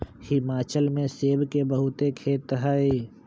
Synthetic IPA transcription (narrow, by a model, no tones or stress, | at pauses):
hɪmaːt͡ʃəlmẽseːbkebəɦʊt̪ekʰeːt̪ɦai